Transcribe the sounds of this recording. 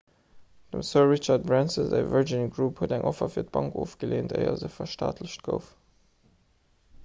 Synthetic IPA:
d̥əmsɜʁit͡ʃɑt̚bɹænsəzæ̰vəɹd͡ʒinɡɹuphuədæŋʔɔfɐfiːɐt̚b̥ɑŋkoːfɡ̥əleːntʰə̰ɪɐ̰zəfɐʃta̰ːtləɕt̚ɡ̥əʊf

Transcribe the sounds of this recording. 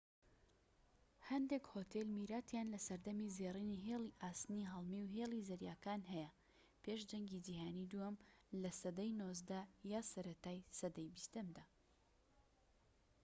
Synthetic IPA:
hɐnd̪ekhoːt̪ʰelmiːɾaːt̪ʰjaːnlɐsɐɾd̪ɐmizeːriːniɦeːlˠiʔaːst̪niɦɐlˠmiwɦeːlˠizɐɾjaːkaːnɦɛjɐ | pʰeʃd͡ʒɐŋɡid͡ʒiːɦaːnid̪uɐmlɐsɐd̪ɐjnoːzd̪ɐjaːsɐɾɐt̪aːjsɐd̪ɐjbist̪ɐmd̪aː

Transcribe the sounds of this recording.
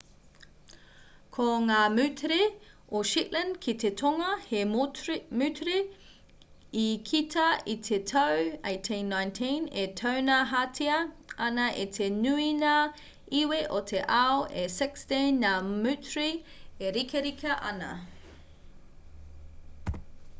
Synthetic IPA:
kʰoŋaːmʉtʰɾeoʃitlə̃ndkʰit̪ʰetʰoŋɐhe | mʉtʰɾi | ikʰitʰɐitʰetʰɐwejtʰĩnːãjntʰĩnetʰɐwnaɦatʰiɐ | ɐnɐʔitʰenʉina | iweʔotʰeʔɐoʔesɪksdenːamʉtʰɾi | eɾikʰeɾikʰɐʔɐ̰nɐ̰

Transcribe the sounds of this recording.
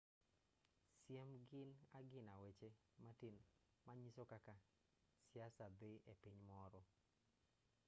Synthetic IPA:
sjemɡɪnaɡɪnawet͡ʃe | matin | maɲisokaka | sjasabeʔepiɲmɔɾɔ

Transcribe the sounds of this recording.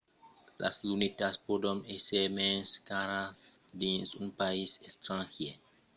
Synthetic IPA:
lʔa̰slunit̪aspodonesemenskaɾasd̪insunpaisest̪ɾãŋxje

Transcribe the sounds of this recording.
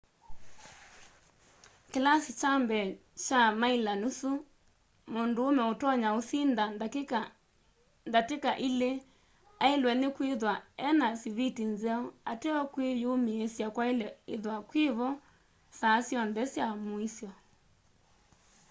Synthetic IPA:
kelasit͡ʃambɛt͡ʃamailanusu | mondoːmɛotɔɲaosina | ndatekaʔile | aelwɛnekweðwaɛnasiβitinzɛɔatɛɔkwejomeesjakwaelɛeðwakweβɔ | sasjɔnðɛsjamoisjɔ

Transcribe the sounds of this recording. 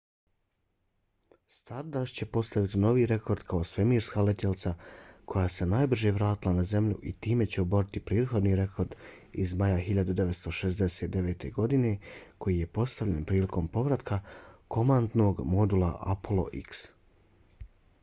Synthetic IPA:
st̪aɾd̪aʃt͡ɕe̞po̞st̪aʋit̪ino̞ʋiɾe̞kʰo̞ɾd̪kʰaosʋe̞miːɾskalet̪jelt̪sakʰo̞jaːse̞naːjbr̩ʒeʋɾaːt̪ilˠanaze̞mʎṵʔḭt̪iːme̞t͡ɕeobo̞ɾit̪ipɾeːd̪xo̞d̪niɾe̞ko̞ɾd̪ | izmajaxiʎad̪ud̪eʋe̞t̪st̪o̞ʃe̞zd̪e̞set̪d̪e̞ʋeːt̪e̞ɡo̞d̪ine̞kʰo̞jije̞po̞st̪aʋʎʲenpɾiːliko̞mpo̞ʋɾat̪kʰakʰo̞mand̪no̞ɡmo̞d̪ula̰ʔa̰polˠo̰ʔḭks

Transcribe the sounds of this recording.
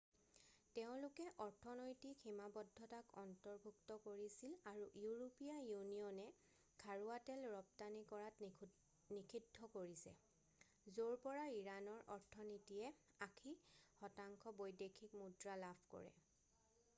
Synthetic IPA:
tɛʊ̃lʊkɛʔɔɹtʰɔnojtikhimabɔdʱːɔtakɔntɔɹbʱuktɔkoɹisilaɹuʔjuɹopijajunijɔnɛ | ɡʰʱaɹuatɛlɹɔp̚tanikɔɹat | nikʰidʱːɔkoɹisɛ̰ | zoɹpɔɹaiɹanɔɹʔɔɹtʰɔnitijɛ | akʰixɔtaŋkʰɔbojdekʰikmudɹalabʰʱkɔ̰ɹɛ̰

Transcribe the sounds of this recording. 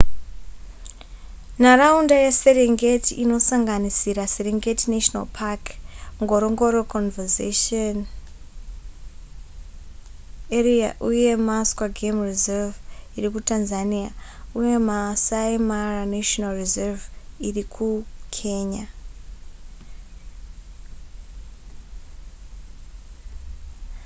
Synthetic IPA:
naraundajeseleŋɡetʰiʔino̞saŋɡanisiɾaseleŋɡetinaʃona̰lpʰakŋɡoɾoŋɡoɾokʰonvezeʃon | eria̰ʔuje̞maskwaɡʱemrizɛviɾikutʰanzania̰ujemasajmaraneʃɔnalrizɛviɾikʰukʰeɲa

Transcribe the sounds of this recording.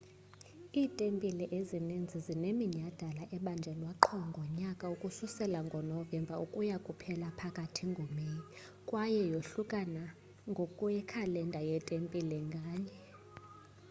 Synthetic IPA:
iːtʼempʼilɛʔezinind͡zʱizinemiɲad̥ʱalaʔɛɓand͡ʒʱɛlwaǃʰɔŋɡʱɔɲakʼaukʼususɛlaŋɡʱɔnɔvɛmbʱaukʼujakʼupʰɛlapʰakʼatʰiŋɡʱomeji | kʼwajɛjoɬukʼana | ŋɡʱokʼujɛkʰalɛndʱʼajɛtʼempʼilɛŋɡʱaːɲɛ

